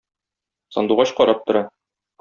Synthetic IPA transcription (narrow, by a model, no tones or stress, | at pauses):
sɒ̰nd̪uʁɑɕqɒɾɑp̚t̪ŏɾɑ